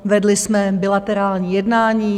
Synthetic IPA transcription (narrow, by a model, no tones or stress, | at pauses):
vɛdlɪsmɛbɪlat̪ɛɾaːlɲiːjɛdnaːɲiː